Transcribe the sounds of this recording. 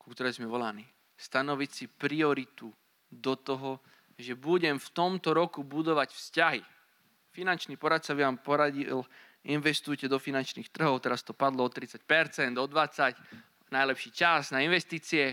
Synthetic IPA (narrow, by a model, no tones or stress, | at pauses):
kukt̪ɔɾɛːjzmɛʋɔlaniː | st̪anɔʋicsipɾiɔɾit̪u | d̪ɔt̪ɔɦɔ | ʒɛbuɟɛmft̪ɔmt̪ɔɾɔkubud̪ɔʋacfscaɦi | finant͡ʃniːpɔɾat̪sabiʋaːmpɔɾaɟil | inʋɛst̪ujcɛd̪ɔfinant͡ʃniːxt̪r̩ɦɔʊt̪ɛɾast̪ɔpad̪lɔɔt̪ɾit͡sac̚pɛɾt͡sɛnd̪ɔd̪ʋat͡sac | najlɛpʃiːt͡ʃaznainʋɛst̪iːt͡siɛ